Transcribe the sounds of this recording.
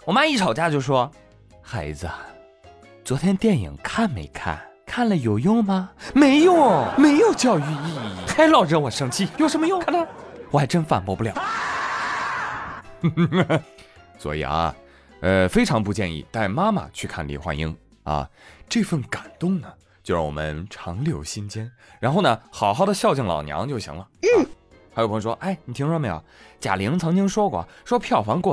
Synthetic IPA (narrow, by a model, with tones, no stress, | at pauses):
wɔ˨˩ma˥mi˥˩ʈ͡ʂʰɑ˨˩ʊt͡ɕja˥t͡ɕjo˥˩ʊʂwɔ˥ | xa˧˥ɪd͡zə˧ | t͡swɔ˧˥t̪ʰjɛ˥nt̪jɛ˥˩njḭ˨˩ŋkʰa˥˩nmḛ˧˥ɪkʰa̰˥˩nkʰa˥˩nlə˩jo˨˩ʊjʊ˥˩ŋmɐ˨me˧˥ɪjo˥˩ŋme˧˥ɪjo˨˩ʊt͡ɕjɑ˥˧ʊy˥˧i˥˧˩kʰa˥ɪlɑ˥˩ʊɻə˧˥nwɔ˨˩ʂɤ˥ŋt͡ɕʰi˥˩jo˥˩ʊʂə˧˥mə˧jʊ˥˧ŋkʰa˥˩nt̪ʰa˧˥wɔ˨˩xa˥ʈ͡ʂə˥ŋfa̰˨˩npɔ˧˥pu˧˥˩jɑ˨˩˦ | swɔ̰˧˥ḭ˨˩ɐ̰˧ | ə˧fe˥ɪʈ͡ʂʰɑ˧˥ŋpu˥˧t͡ɕjɛ˥˧nḭ˥˩t̪a˥˩ɪma˥ma̰˨˩t͡ɕʰy˥˧kʰa̰˥˩nlḭ˧˩xwa̰˥ni˥ŋ | ɐ̰˧ʈ͡ʂɤ˥˧fə˥˩nka˨˩nt̪ʊ˥˩ŋnə˩ | t͡ɕjo˥˧ɻwɔ̰˨˩mə˦nʈ͡ʂʰɑ˧˥ŋljo˧˥ʊɕi˥nt͡ɕjɛ˥n | ɻa˧˥nxo˥˩ʊnə˩xɑ˨˩ʊxɑ˥˩ʊd̪ə˩ɕjɑ˥˧ʊt͡ɕi˥˩ŋlɑ̰˨˩ʊnjɑ̰˧˥ŋt͡ɕjo˥˩ʊɕi˧˥ŋlə˧˥˩ | xa˧˥jʰjʂwɔ˥ʔa˥˩ɪni˨˩t̪ʰi˧˥ŋʂwɔ˥˩me˧˥ɑ̰˨˩t͡ɕja̰˨˩li˧˥ŋt͡sʰɤ˧˥ŋt͡ɕi˥ŋʂwɔ˥kwɔ̰˥˩ʂwɔ˥pʰjɑ˥˩ʊfɑ˧˥ŋkwɔ˥˩